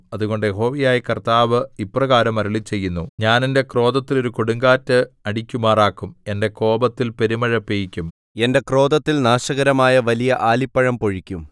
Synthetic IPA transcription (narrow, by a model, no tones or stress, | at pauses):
ɐðuɣo̞ɳɖɨjeɦo̞ːʋijaːjikɐrt̪aːʋɨiprɐɣaːɾɐmɐɾuɭit͡ɕːe̞jːunːuɲaːnende̞kro̞ːd̪ɐt̪ːilo̞ɾukoɽuŋɡaːtːɨɐɽikʲːumaːraːkːume̞nde̞ko̞ːbɐt̪ːilpe̞ɾimɐɻɐpːejikʲːum | e̞nde̞kro̞ːd̪ɐt̪ːilnaːʂɐɣɐɾɐmaːjɐʋɐlijɐʔaːlipːɐɻɐmpo̞ɻikʲːum